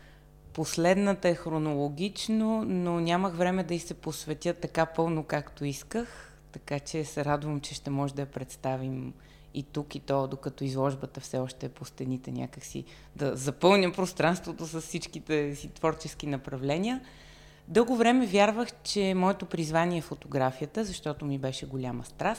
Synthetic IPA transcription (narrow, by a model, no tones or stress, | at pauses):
poslɛd̪nət̪əɛxɾonolˠoɡʲit͡ʃnononʲaməxvɾɛmɛd̪ɐisɛposvɛt̪ʲət̪ːɐkapɤlˠnokakt̪oiskəx | t̪ɐkat͡ʃɛsɛɾad̪vəmt͡ʃɛʃt̪ɛmɔʒɛd̪ɐjɐpɾɛt̪st̪avim | it̪ukit̪ɔd̪okɐt̪ɔizlˠɔʒbət̪əfsɛɔʃt̪ɛːpost̪ɛnit̪ɛnʲʔa̰kəksḭ | d̪ɐzɐpɤlˠnʲəpɾost̪ɾanst̪vot̪osɐssit͡ʃkit̪ɛsit̪vɔɾt͡ʃɛsk̟inɐpɾɐvlɛnʲiə | d̪ɤlˠɡovɾɛmɛvʲjaɾvəxt͡ʃɛmɔɛt̪opɾizvanʲiɛːfot̪oɡɾafiət̪əzɐʃt̪ɔt̪omibɛʃɛɡolʲaməst̪ɾas